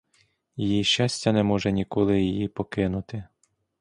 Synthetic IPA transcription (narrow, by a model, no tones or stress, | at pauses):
jijiʃʲt͡ʃɑsʲtʲːɐnɛmɔʒɛnʲikɔlˠɪjijipɔkɪnʊt̪ɪ